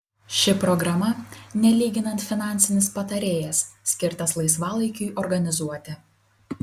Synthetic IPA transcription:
ʃʲɪpɾɔɡɾɐmɐnʲɛlʲiːɡʲɪnɐnt̪fʲɪnɑˑnʲsʲɪnʲɪspɐt̪ɐɾʲeːjɛsːʲkʲɪɾt̪ɐslˠɐɪsʋɑːlˠɐɪkʲʊjʔɔɾɡɐnʲɪzuɔt̪ʲɪ

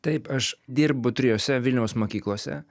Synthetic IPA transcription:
t̪ɐɪpɐʃd̪ʲiːɾbʊt̪ʲɾʲɪjoːsʲɛʋʲɪlʲnʲɛʊsmoːkʲiːklˠoːsʲɛ̰

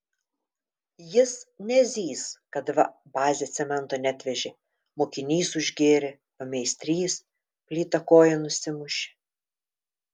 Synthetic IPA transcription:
jɪsnʲɛzʲiːskɐt̪ʋɐbɑːzʲeːt̪sʲɛmʲɛnt̪oːnʲæt̪ʲʋʲɛʒʲe | moːkʲɪnʲiːsʊʒʲɡʲeːɾʲɪ | pɐmʲɛɪsʲt̪ʲɾʲiːs | pʲlʲiːt̪ɐkoːjɛnʊsʲɪmʊʃʲɪ̥

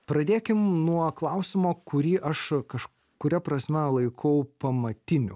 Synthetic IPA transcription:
pɾɐd̪ʲeːkʲɪmnuɔklˠɐʊsʲɪmoːkʊɾʲiːʔɐʃkɐʃ | kʊɾʲɛpɾɐsʲmʲɛlˠɐɪkʰɐʊpɐmɐt̪ʲɪnʲʊ

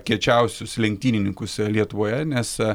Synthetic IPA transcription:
kʲiɛt͡ʃʲɛˑʊsʲʊslʲɛŋk̚t̪ʲiːnʲɪnʲɪŋkʊslʲiɛt̪ʊʋoːjɛnʲɛs

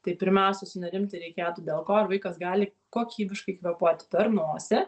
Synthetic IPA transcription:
t̪ɐɪpʲɪɾʲmʲæʊsʲɛsʊnɐɾʲɪmʲt̪ɐɪɾʲɛɪkʲeːt̪uːd̪ʲeːlˠkoːɐɾʋɐɪkɐsɡɑːlʲɪ | koːkʲiːbʲɪʃkɐɪkʋʲɛpoːt̪ʲpʲɛɾnuːsʲɪ

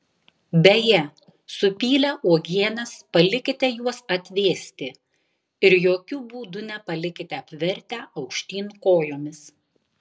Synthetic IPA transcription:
bʲɛjɛ | sʊpʲiːlʲɛʔuɔɡʲiɛnʲɛspɐlʲɪkʲɪt̪ʲɛjuɔsɐt̪ʲʋʲeːsʲt̪ʲɪ | ɪɾjoːkʲʊbuːd̪ʊnʲɛpɐlʲɪkʲɪt̪ʲɛɐpʲʋʲɛɾʲt̪ʲæːʔɐʊkʃʲt̪ʲiːnkoːjoːmʲɪs

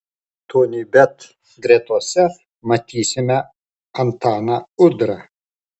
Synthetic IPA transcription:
t̪oːnʲibʲɛt̪ | ɡɾʲeːt̪uɔsʲɛ | mɐt̪ʲiːsʲɪmʲɛ | ɐnt̪ɑːnɐʊd̪ɾɐ

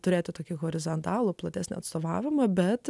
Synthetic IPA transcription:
t̪ʊɾʲeːt̪ʲɪt̪oːkʲiɣoːɾʲɪzɐnt̪ɑːlˠʊplˠɐt̪ʲɛsʲnʲɪ̰ɐt̪st̪oːʋɑːʋʲɪmɐbʲɛt̪

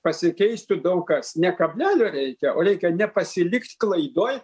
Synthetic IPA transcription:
pɐsʲɪkʲɛɪsʲt̪ʲʊd̪ɐʊkɐsnʲɛkɐbʲlʲæːlʲoːɾʲɛɪkʲɛʔoːɾʲɛɪkʲɛnʲɛpɐsʲɪlʲɪkt̪ʲklˠɐɪd̪oːj

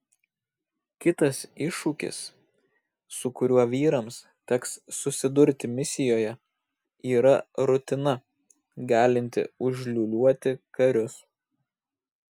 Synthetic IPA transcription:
kʲɪt̪ɐsɪʃuːkʲɪ̰s | ʊkʊɾʲuɔʋʲiːɾɐms | t̪ʲɛksːʊsʲɪd̪ʊɾʲt̪ʲɪmʲɪsʲɪjoːjɛ | iːɾɐɾʊt̪ʲɪnɐ | ɡɑːlʲɪnʲt̪ʲɪ̰ʊʒʲlʲuːlʲuɔt̪ʲɪkɐɾʲʊs

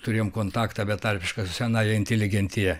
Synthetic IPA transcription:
t̪ʊɾʲeːjomkoːnt̪ɑːkt̪ɑbʲɛt̪ɐrʲpʲɪʃkɐsʲænɑːjɛɪnʲtʲɛlʲɪɡʲɛnʲt̪ʲɪjɛ

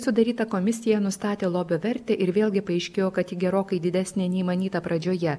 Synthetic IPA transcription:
sʊd̪ɐɾʲiːt̪ɐkoːmʲɪsʲɪjɛnʊst̪ɑːt̪ʲeːlˠoːbʲoːʋʲɛɾʲt̪ʲeːʔɪɾʋʲeːlʲˠɡʲɪpɐɐɪʃʲkʲeːjoːkɐt̪ʲiːɡʲɛɾoːkɐɪd̪ʲɪd̪ʲæːsʲnʲenʲɛɪimɐnʲiːt̪ɐpɾɐd͡ʒʲoːjɛ

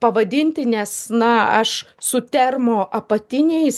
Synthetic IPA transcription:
pɐʋɐd̪ʲɪnʲt̪ʲɪnʲɛsnɐɐʃ | sʊt̪ʲɛrmoːʔɐpɐt̪ʲɪnʲɛɪs

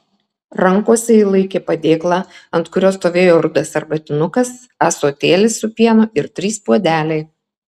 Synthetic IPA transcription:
ɾɐŋkoɔsʲɛiːlˠɐɪkʲeːpɐd̪ʲeːklˠɑɐnt̪kʊɾʲoːst̪oːʋʲeːjoːɾʊd̪ɐsɐɾbɐt̪ʲɪnʊkɐs | æsoːt̪ʲeːlʲɪsːʊpʲiɛnʊɪɾt̪ʲɾʲiːspuɔd̪ʲæːlʲɛɪ

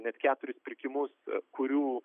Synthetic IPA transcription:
nʲɛt̪kʲæːt̪ʊɾʲʊspʲɪɾʲkʲɪmʊskʊɾʲuː

